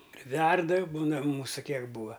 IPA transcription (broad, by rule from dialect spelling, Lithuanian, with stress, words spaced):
pʲrʲɪˈʋʲɛrdɐ ˈbuːnɐ ˈmuːsʊ ˈkʲiɛk ˈbuːɐ